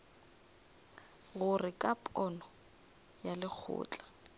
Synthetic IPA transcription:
ɣʊrɪkʼapʼɔnɔ | jalɪk͡xʰʊ̰ːt͡ɬʼḁ

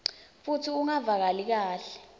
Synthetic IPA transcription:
futʰiuŋavak̬alik̬aːɬɛ̥

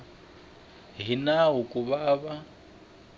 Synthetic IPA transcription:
ɦinaɦukʼuβaːβa

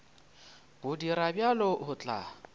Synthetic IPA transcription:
b̥ʊdiɾabjalɔhʊt͡ɬʼa̰ː

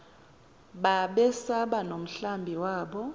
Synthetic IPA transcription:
ɓaɓɛsaɓanom̩ɬambʱiwaːɓɔ

